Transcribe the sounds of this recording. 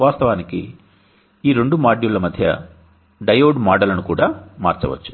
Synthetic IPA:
ʋaːst̪ɐʋaːnikḭ | iːɾe̞ɳɖumaːɖjulɐmɐd̪ʱjɐ̰ | ɖɐjoːɖmaːɖɐlɐnukuːɽaːma̰ːɾt͡ʃɐ̰ʋɐ̰t͡ʃːu̥

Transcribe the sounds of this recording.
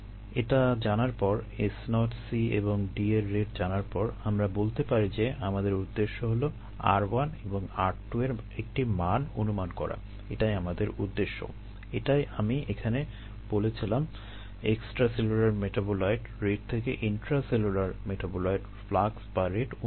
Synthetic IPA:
eʈad͡ʑanaɾpɔɾesnɔʈsiḛboŋɖieɾːeʈd͡ʑanaɾpɔɾamɾabolt̪epaɾid͡ʑeamad̪eɾud̪ːeʃːoɦolo | a̰ɾwaneboŋaɾʈːueɾ | ek̚ʈimanonumankɔ̰ɾa̰ | eʈajamad̪eɾud̪ːeʃːo̰ | eʈajamiekʰane | b̥olet͡ɕʰilam | eksʈɾaselulaɾmeʈabolajɖɾeɖ̚t̪ʰekḛʔinʈɾaselulaɾmeʈʰabolojɖ | flaksbaɾeɖ

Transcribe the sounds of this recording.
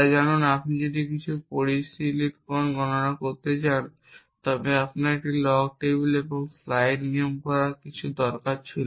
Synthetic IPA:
ad͡ʑanonapnid͡ʑod̪ikit͡ɕʰupoɾisiliʈkɔnɡɔnonakoɾt̪et͡ɕan | t̪ɔbeapnaɾek̚ʈilɔɡ̚ʈebuleboŋflajɖniomkɔɾakit͡ɕʰud̪ɔɾkaɾt͡ɕʰilo

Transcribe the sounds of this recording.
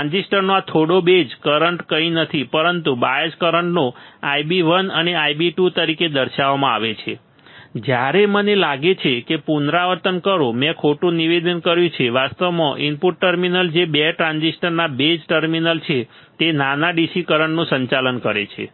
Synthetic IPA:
and͡ʒisʈəɾnoat̪ʰoɽobed͡ʒkəɾəɳʈkəinət̪ʰipəɾənt̪ubajəskəɾəɳʈnoajbiʋənəneajbiʈut̪əɾiked̪əɾʃaʋamãa̰ʋet͡ʃʰe | d͡ʒjaɾemənelaɡet͡ʃʰekepunɾaʋəɾt̪ənkəɾõmɛ̃kʰoʈũniʋed̪ənkəɾjũt͡ʃʰeʋast̪əʋmãʔimpuʈːəɾminəld͡ʒebeʈɾãnsisʈəɾnabed͡ʒʈəɾminəlt͡ʃʰe | t̪enanaɖisikəɾəɳʈnũsəɲt͡ʃalənkəɾḛt͡ʃʰḛ

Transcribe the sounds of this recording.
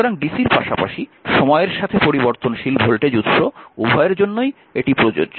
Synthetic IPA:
oɾaŋɖisiɾpa̰ʃapa̰ʃiʃɔmɔeeɾʃat̪ʰepoɾiboɾt̪onʃilbʱolʈed͡ʑut̪ʃoubʱɔeeɾd͡ʑonːoj | eʈipɾod͡ʑo̰o

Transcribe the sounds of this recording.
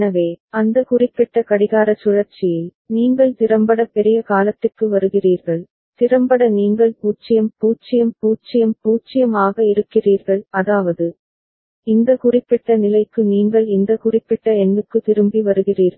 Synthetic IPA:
nɐʋeːɐnd̪ɐkʊrɪpːɪʈːɐkɐɽɪɣaːɾɐt͡ʃʊɻɐɾt͡ʃːɪjɪl | niːŋɡɐɭt̪ɪɾɐmbɐɽɐpːɛɾɪjɐkaːlɐt̪ːɯrkːɯʋɐɾɯɣɪriːɾɣɐɭ | t̪ɪrɐmbɐɽɐniːŋɡɐɭpuːt͡ʃːɪjɐmpuːt͡ʃːɪjɐmpuːt͡ʃːɪjɐmpuːt͡ʃːɪjɐmaːɣɐɪɾɯkːɪriːɾɣɐɭɐðaːʋɐðɯ | ɪnd̪ɐkʊrɪpːɪʈːɐnɪlɐɪkːɯniːŋɡɐɭɪnd̪ɐkʊrɪpːɪʈːɐɛnːɯkːɯt̪ɪɾɯmbiʋɐɾɯɣɪriːɾɣɐ

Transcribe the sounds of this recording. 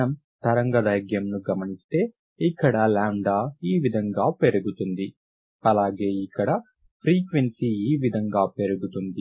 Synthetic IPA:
ɐm | t̪ɐɾɐŋɡɐd̪ɐjɡjɐmnuɡɐmɐnist̪e̞ː | ikːɐɽɐlaːɳɖaːiːʋid̪ʱɐŋɡaːpe̞ɾuɡut̪und̪i | ɐlaːɡe̞ːikːɐɽɐ | pʰɾiːkʋensiiːʋid̪ʱɐŋɡaːpe̞ɾuɡut̪und̪i

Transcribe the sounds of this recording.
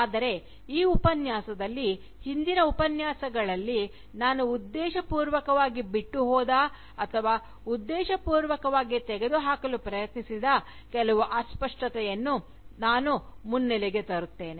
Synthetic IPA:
aːd̪ɐɾe̞ | iːupɐnjaːsɐd̪ɐlːi | hind̪inɐupɐnjaːsɐɡɐɭɐlːi | naːnuːd̪ːɛːʃɐpuːɾʋɐkɐʋaːɡibiʈːuɦɔːd̪a | ɐt̪ʰɐʋaː | ud̪ːɛːʃɐpuːɾʋɐkɐʋaːɡit̪ɛɡe̞d̪uɦaːkɐlupɾɐjɐt̪nisid̪ɐ | kɛlɐʋuʔaːspɐʂʈɐt̪ɛjɐnːu | naːnumunːɛlɛɡe̞t̪ɐɾut̪ːe̞ːne

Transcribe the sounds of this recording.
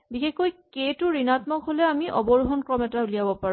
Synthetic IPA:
bixekojketʊɹinatmɔkɦolɛamiʔɔbɔɹuɦɔnkɹɔmɛtaulijabɔpaɹu

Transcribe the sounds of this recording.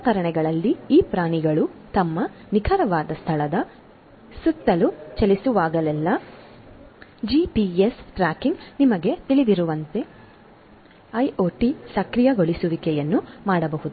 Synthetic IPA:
kɐɾɐɳɛɡɐɭɐlːiiːpɾaːɳiɡɐɭut̪ɐmːɐnikʰɐɾɐʋaːd̪ɐst̪ʰɐɭɐd̪ɐ | sut̪ːɐlut͡ʃɐlisuʋaːɡɐlɛlːɐ | d͡ʒiːpiesʈɾaːkiŋɡnimɐɡe̞t̪iɭid̪iɾuʋɐnt̪e̞ | ɐjoːʈisɐkɾijɐɡo̞ɭisuʋikɛjɐnːumaːɽɐbɐɦud̪u

